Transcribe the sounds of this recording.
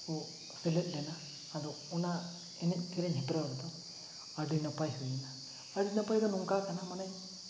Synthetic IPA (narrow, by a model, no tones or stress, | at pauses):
u | sɛlɛt̪̚ˀlɛnaː | d̪ɔ | ɔna | ɛnɛc̚t̪ʰiɾɛɲɦibɾaɾɛd̪ɔ | aɖinapajɾɔjna | aɖinapajd̪ɔnuŋkakanamanaj